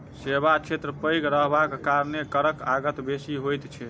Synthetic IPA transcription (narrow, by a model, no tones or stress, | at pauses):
sebat͡ʃʰet̪ɾəpəjɡɾəɦbakːaɾnekəɾəkaɡət̪besiɦojt̪t͡ʃʰɛ